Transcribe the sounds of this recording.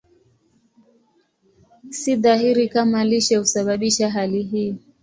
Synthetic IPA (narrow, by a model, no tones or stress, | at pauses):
siðaɦiɾikamaliʃɛhusaɓaɓiʃaɦaliɦiː